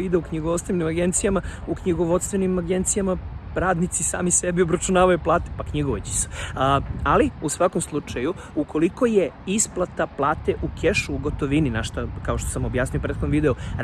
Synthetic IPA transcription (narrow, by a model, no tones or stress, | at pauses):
id̪eukɲiɡoʋot̪st̪ʋenimaɡe̞nt̪sijamaukɲiɡoʋot̪st̪ʋenimaɡe̞nt̪sijamaɾaːd̪nit̪sisa̰ːmisebiobɾat͡ʃunaːʋajuplˠaːt̪e̥pakɲiɡoʋot͡ɕi̥se̥ | aliusʋako̞mslˠut͡ʃaju | ukʰo̞liko̞jeisplˠat̪aplˠaːt̪eʔukʰeʃuːɡo̞t̪oʋininaʃt̪akao̞ʃt̪osamo̞bjaːsnijopɾeːxod̪oʋid̪euɾ